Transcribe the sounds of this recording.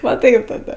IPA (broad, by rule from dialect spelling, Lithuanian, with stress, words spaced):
ʋɐ ˈtɐɪp tɐˈdɐ